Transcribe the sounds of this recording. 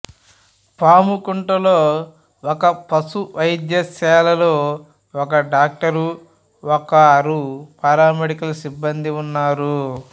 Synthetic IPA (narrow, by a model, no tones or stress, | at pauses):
paːmukuɳʈɐloː | ɔkɐpɐsuʋɐjd͡ʒjɐsɛːlɐlo̞ː | ɔkɐɖaːk̚ʈɐɾu | ɔkɐːɾupɐɾaːmeɽikɐlɐsibːɐnd̪iunːaːɾu